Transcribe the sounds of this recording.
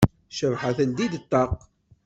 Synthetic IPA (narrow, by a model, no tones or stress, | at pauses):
ʃəvħaθənd̪id̪ət̪ːɑq